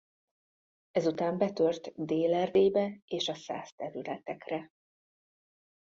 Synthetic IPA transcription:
ɛzut̪aːmbɛt̪ørt̪d̪eːlɛrd̪eːbɛeːʃɒsa̰ːst̪ɛvilɛt̪ɛkrɛ

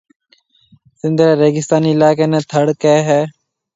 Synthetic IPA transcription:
sɪ̃nd̪ɾɛːɾeːɡɪst̪aːniːɪlaːkeːnɛ̃ːt̪ʰəɽkɛːɦɛː

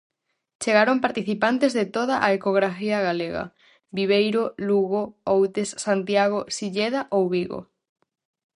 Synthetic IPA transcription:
t͡ʃeɣaɾompaɾt̪iθipant̪ezðet̪oð̞aʔaekoɣ̞ɾafiɐɣaleɣɐ̰ | biβ̞ejɾoluɣoowt̪esːant̪jaɣ̞osiʎeð̞aʔowβiɣo̰

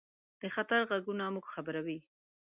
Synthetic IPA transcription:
d̪̥əxat̪aɾɣaɡunamuɡxabəɾawi

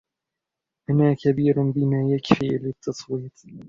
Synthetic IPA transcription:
ʔanaːkabiːɾʊnbɪmaːjakfiːlɪt̪ʰːɑsˤwiːt̪ˤ

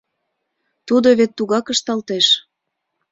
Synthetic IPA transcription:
t̪ud̪oβet̪ːuɣɑkə̆ʃt̪ɑlt̪eʃ

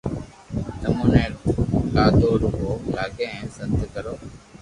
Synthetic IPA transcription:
nəmuːnaːɾũːkaːd̪oːɾʊkoːlaːɡeɛ̃ːsə̃nt̪kəɾoː

